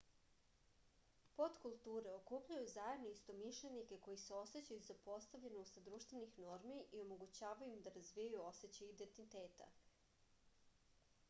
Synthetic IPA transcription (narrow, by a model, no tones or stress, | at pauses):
po̞t̪kulˠt̪uːɾe̞o̞kuːpʎujuzajed̪noist̪o̞miʃlenike̞ko̞jiseo̞se̞t͡ɕajuzapo̞st̪aʋʎenost̪d̪ɾuːʃt̪ʋe̞nixno̞ɾmiʔio̞mo̞ɡut͡ɕaːʋajuimd̪aɾazʋijajuo̞se̞t͡ɕaid̪e̞nt̪it̪eːt̪a̰